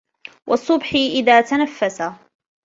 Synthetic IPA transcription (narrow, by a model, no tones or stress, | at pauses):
wʔɑsˤːʊbħɪʔɪðaːt̪anafːasa